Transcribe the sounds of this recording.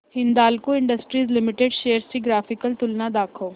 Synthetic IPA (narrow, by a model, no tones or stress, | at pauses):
hɪnd̪aːlkoɪ̃ɳɖəsʈɾiːzlɪmɪʈeɖʃeːəɾsiɡɾaːfɪkəlt̪ʊlnad̪aːkʰoː